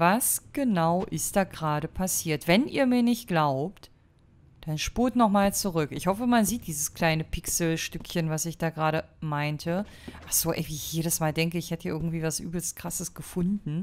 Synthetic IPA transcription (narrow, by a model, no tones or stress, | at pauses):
vasɡ̥ənaʊʔɪst̚d̥aːɡʁaːɾəpʰasiːɐtv̥ɛnʔḭːɐmiːɐnɪçt̚ɡ̥laʊpt | d̥anʃpuːɐtnɔχmaːlt͡suʁʏkɪçhɔfəmanziːt̚d̥iːzəskl̥aɪnəpʰɪksl̩ʃtʏkçənvasɪçd̥aːɡʁaːɾəmaɪntʰə | ʔaχz̥oːʔɛɪviːɪçjeːɾəsmaːldɛŋkəɪçhɛtəaːʔɪɐɡŋ̩tv̥iːvasʔy̰ːbl̩st̚kʁ̥asəsɡ̥əfʊndn̩